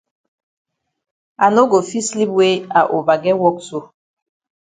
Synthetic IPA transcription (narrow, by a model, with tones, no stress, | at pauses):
a˨no˦ɡo˨fi˦sli˦pwe˦a˨ʔo˨ba˨ɡɛ˦wɔ˦kso˦